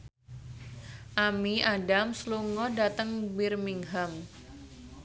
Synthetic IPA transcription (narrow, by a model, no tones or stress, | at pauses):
ʔamiaɖamsluŋɔdat̪əŋbɪrmiŋɦam